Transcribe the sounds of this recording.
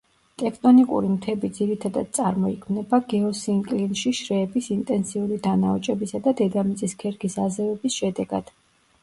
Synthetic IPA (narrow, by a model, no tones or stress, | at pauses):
t̪ʼɛkʰt̪ʼɔnikʼṵɾimt̪ʰɛbid̪ziɾit̪ʰad̪a̰d̪̚t̪sʼaɾmɔikʰmnɛbaɡɛɔsiŋkʼlinʃiʃɾɛːbisint̪ʼɛnsiuɾid̪anaɔt͡ʃʼɛbisad̪ad̪ɛd̪amit̪sʼiskʰɛɾɡisazɛvɛbisʃɛd̪ɛɡa̰d̪̥